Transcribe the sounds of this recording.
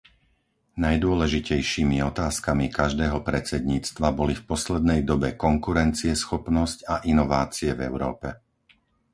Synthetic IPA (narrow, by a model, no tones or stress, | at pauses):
najd̪ʊɔlɛʒicɛjʃiːmiɔt̪aːskamikaʒd̪ɛːɦɔpɾɛt͡sɛd̪ɲiːt͡st̪ʋabɔlifpɔslɛd̪nɛjd̪ɔbɛkɔŋkuɾɛnt͡siɛsxɔpnɔscaʔinɔʋaːt͡siɛvɛ̰ʊɾɔ̰ːpɛ